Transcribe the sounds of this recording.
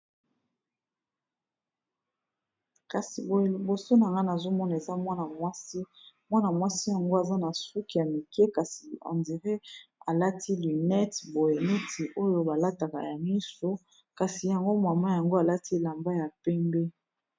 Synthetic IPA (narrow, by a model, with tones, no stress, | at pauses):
ka˨si˨i˨bo˨so˦na˨ŋɡa˦na˨zo˦mɔ˦na˨e˨za˦mwa˦na˨mwa˦si˦ | mwa˦na˨mwa˦si˦ja˨ŋɡo˦a˨za˦na˨su˦ki˨ja˨mi˨ke˦ka˨si˨ã̰˨ndi˨ʁe˦a̰˨la˦tʰi˦ly˨nɛ˦tbo˨je˨nɛ˦ti˨ʔo˦jo˦ba˨la˦ta˨ka̰˨ja˨mi˦so˦ | ka˨si˨ja˨ŋɡo˦ma˨ma˦ja˨ŋɡo˦a˨la˦ti˦e˦˨la˨mba˦ja˨pɛ˦mbɛ˦